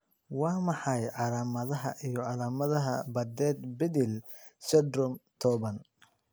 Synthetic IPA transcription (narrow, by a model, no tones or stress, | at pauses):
wɑːmɑħɑjʕɑlaːmɐðɐɦɐʔijɞʕɑlaːmɐðɐɦɐ̰bɐd̪ɛːd̪bɪðɪlsɛd̪ɾɔmt̪ʰɔːβɐn